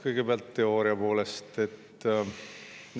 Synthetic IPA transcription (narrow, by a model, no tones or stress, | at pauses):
kɤjɡ̥e̞beɑlt̪ːe̞o̞ːɾiɑpo̞ːle̞st̪e̞t̪ː